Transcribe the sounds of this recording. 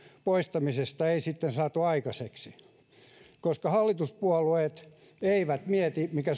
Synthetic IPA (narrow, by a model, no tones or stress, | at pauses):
poist̪ɑmisest̪ɑeisit̪ːensɑːt̪uɑikɑseksi | koskɑhɑlːit̪uspuɑlueːt̪ | eiʋæt̪miɛt̪imikæ